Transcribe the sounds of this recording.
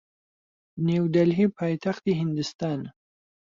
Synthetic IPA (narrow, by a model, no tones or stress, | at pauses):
neːwd̪ɐlɦiːpʰaːjt̪ʰaxt̪iːɦɪnd̪ɨst̪aːn